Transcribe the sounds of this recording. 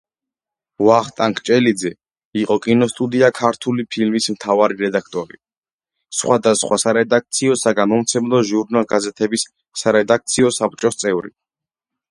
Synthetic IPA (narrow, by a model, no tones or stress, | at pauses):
vaχt̪ʼaŋkʰt͡ʃʼɛlid̪zɛ | iqʼɔkʼinɔst̪ʼud̪iakʰaɾt̪ʰulipʰilmismt̪ʰavaɾiɾɛd̪akʰt̪ʼɔɾḭ | sχwad̪asχwasaɾɛd̪ak̚t̪sʰiɔsaɡamɔmt̪sʰɛmlˠɔʒuɾnalˠɡazɛt̪ʰɛbisː | aɾɛd̪ak̚t̪sʰiɔsap̚t͡ʃʼɔst̪sʼɛvɾḭ